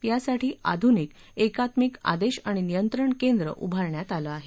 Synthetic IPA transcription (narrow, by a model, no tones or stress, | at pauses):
jasaʈʰiːʔa̰d̪ʱuniːk | ekat̪mika̰d̪eɕaɽ̃inijənt̪ɾəɳkend̪ɾə̰ʔubʱaɾɳjat̪aləːaɦe